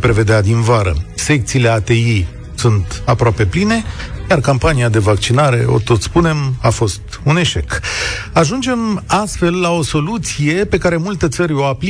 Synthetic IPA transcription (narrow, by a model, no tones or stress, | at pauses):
pɾe̞ve̞d̪ead̪invaɾə̰se̞k̚t̪siːle̞at̪e̞i | sunt̪apɾoape̞pline̞jarkampaniad̪e̞vak̚t͡ʃinaɾe̞o̞̰t̪o̞t̪spune̞mafo̞st̪une̞ʃe̞k | aʒund͡ʒe̞mast̪fe̞lːao̞so̞lut̪sije̞pe̞kaɾe̞mult̪e̞t̪səɾʲo̞wapli